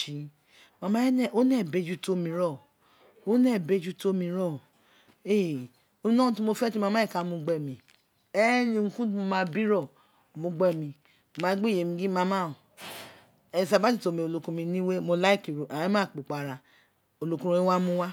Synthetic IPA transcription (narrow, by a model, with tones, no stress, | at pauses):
i˧ | mã˧mã˦nɛ˦˨o˦nɛ˦˨be˨˦˨d͡ʒu˦to˦mĩ˧ɾɔ˦˨ | o˦nɛ˦˨be˦˨d͡ʒu˦to˦mĩ˧ɾɔ˦˨ | e˦˨ | o˧mĩ˦nɔ̃˦˧ti˦mo˧fɛ˦ti˦mã˧mã˦i˦˨ka˧mũ˧ɡ͡bɛ˦˨mĩ˧ | ɛ˦nĩ˧ŋũ˧kũ˦ti˦mo˧mã˦bi˦ɾɔ˦˨ | mũ˧ɡ͡bɛ˦˨mĩ˧˨ | mã˦ɡ͡bi˦˨je˨mĩ˧ɡi˦mã˧˦mã˦o˨ | ɛ˧˨sa˧ba˦i˦˨to˨˧˦mĩ˧o˨˧lo˧kũ˧mĩ˧˦nĩ˦we˦mo˧la˦i˦˨ki˨ɾu˨ʔa˨˦mãː˦˨k͡po˨k͡pa˨ɾa˧ | o˧˨lo˧kũ˦ɾũ˧˦i˦wa˦mũ˦wa˦